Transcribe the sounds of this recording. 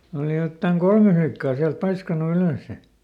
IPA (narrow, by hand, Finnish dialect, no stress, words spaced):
oːli jotːɑŋ kolme flikːɑː siælt pɑiskɑnu yløˑsːe